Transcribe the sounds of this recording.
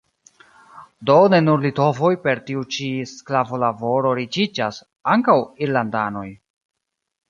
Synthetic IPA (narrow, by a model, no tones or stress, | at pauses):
do̞ne̞nuɾlito̞vo̞jpe̞ɾtiut͡ʃisklavo̞lavo̞ɾo̞ɾit͡ʃid͡ʒas | aŋkawiɾlandano̞j